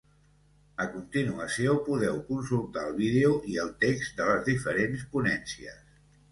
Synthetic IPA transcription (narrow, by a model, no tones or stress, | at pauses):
əkunt̪inuəsiopuðɛwkunsulˠt̪aəlˠβiðeuʔiəlˠt̪ekzd̪ələzðifəɾenspunɛnsiə̰s